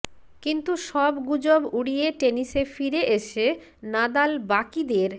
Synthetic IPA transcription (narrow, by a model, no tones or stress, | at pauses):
kint̪uʃɔbɡud͡ʑobuɽieʈeniʃefiɾeʔeʃe | nad̪albakid̪eɾ